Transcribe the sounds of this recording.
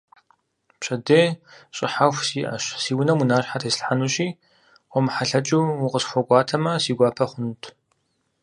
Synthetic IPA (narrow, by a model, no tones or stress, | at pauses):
pɕɐdeːɕʼɪ̰ħaxʷsiːʔɐ̰ʃsiːwʊnɐmunaːɕħatʰeːsɬħanuːɕiː | wʷɔmħaɬɐt͡ʃʼuwʊqʼəsxʷɔɡʷɑːtʰɐmɐsiːɡʷɑːpʰɐχʷʊntʰ